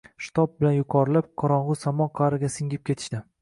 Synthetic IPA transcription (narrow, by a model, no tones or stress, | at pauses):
ʃɪ̥t̪ʰɒp̚bɪlanjʊqʰɒɾɪlap̚qʰɒɾɒɴʁʊsamɒqʰɑɾɪɡʲasɪŋɡʲɪp̚kʲʰe̞t̪ʰɪ̥ʃd̪ɪ